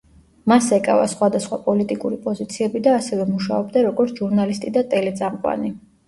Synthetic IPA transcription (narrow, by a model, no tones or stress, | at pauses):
masɛkʼa̰va̰sχwad̪asχwapʼɔlit̪ʼikʼuɾipʼɔzit̪sʰiɛbid̪aːsɛvɛmuʃaɔb̚d̪aɾɔɡɔɾt̪sʰʒ̥uɾnalist̪ʼid̪at̪ʼɛlɛd̪zamqʼwa̰ni